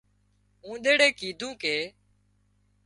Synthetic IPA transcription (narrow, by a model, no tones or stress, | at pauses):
ɦũːɗ̪eːɽeːkiːd̪ʱũːkeː